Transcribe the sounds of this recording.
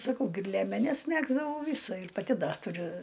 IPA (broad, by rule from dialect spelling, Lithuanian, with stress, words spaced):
sɐˈkɐʊ ɡʲɪ ɪr lʲiɛmʲɛˈnʲɛs ˈmʲæːɡzdɐʋɐʊ ˈʋʲiːsɐ ɪr pɐˈtʲɪ ˈdɐ tʊˈrʲʊ